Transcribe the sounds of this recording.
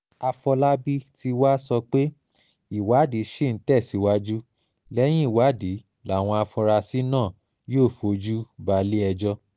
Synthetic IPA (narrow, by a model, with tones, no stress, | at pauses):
a˧fɔ˧la˦bi˦ti˧wa˦sɔ˧k͡pe˦ | i˨wa˨˦di˨˦ʃe˦˨n̩˨˦tɛ˦˨si˨˦wa˦d͡ʒu˦ | lɛ˦j̃ĩ˦i˦˨wa˨˦di˨˦ | la˨˦˨w̃ɔ̃˧a˧fɔ̃˧ɾa˧si˦nãː˦˨ | joː˦˨fo˨˦d͡ʒu˦ba˧˦le˦ɛ˧d͡ʒɔ˧